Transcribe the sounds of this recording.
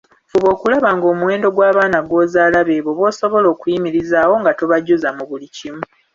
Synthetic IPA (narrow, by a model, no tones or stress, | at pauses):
fuβo̞ːkulaβaŋɡo̞ːmuwe̞ːndo̞ɡwaːβaːnaɡwo̞ːzaːlaβe̞ːβoβwo̞ːso̞βo̞lo̞ːkujimiɾizaːwo̞ŋɡatoβaɟːuzamuβulicimu